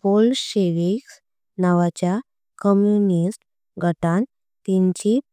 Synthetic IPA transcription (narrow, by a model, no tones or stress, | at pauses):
polɕeʋiks | naʋat͡ɕja | kəmjunisʈ | ɡʱəʈãn | t̪ĩɲt͡ɕi